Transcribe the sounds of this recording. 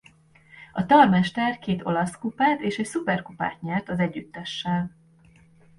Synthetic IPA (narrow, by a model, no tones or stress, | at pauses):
ɒt̪ɒrmɛʃt̪ɛrkeːt̪o̞̰lɒskupaːt̪eːʃɛcsupɛrkupa̰ːt̪ɲɛrt̪ɒzɛɟːyt̪ːɛʃːɛl